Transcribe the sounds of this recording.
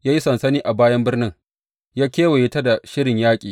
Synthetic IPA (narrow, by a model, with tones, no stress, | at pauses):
jaː˦ji˦sɐ˨nsɐ˦niː˦ʔa˨baː˦jɐ˦mbɪ˦rnɪ˦ŋ | jaː˦kʲeː˦wa˨je˦ta˦da˨ʃɪ˦ɽɪ˨ɲjaː˦kʲʼiː˨